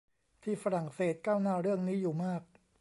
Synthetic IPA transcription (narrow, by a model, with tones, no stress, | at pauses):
t̪ʰiː˥˩fa˧ɾa˨˩ŋseː˨˩t̪̚kaː˥˩wnaː˥˩ɾɯ˥˩əŋniː˦˥juː˨˩maː˥˩k̚